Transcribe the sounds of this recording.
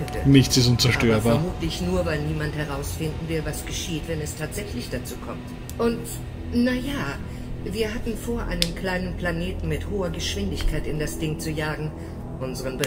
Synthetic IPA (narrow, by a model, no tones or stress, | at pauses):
ənɪçt͡sɪstʊnt͡sɛɐʃtøːɐɐbaɛɐmuːtlɪçnuːɐvaɪlniːmanthɛʁ̞aʊsfɪndn̩vɪlvasɡ̥əʃiːtv̥ɛnɛstʰaːtz̥ɛçlɪçd̥at͡suːkʰɔmt | ʔʊnt | najaː | viːɐɦatn̩foːɐʔa̰ɪnəmkʰl̥aɪnənpl̥aneːtn̩mɪthoːɐɡəʃv̥ɪndɪçkʰaɪtɪndasd̥ɪŋt͡sujaːɡŋ̩ | ʔʊnzəʁənbə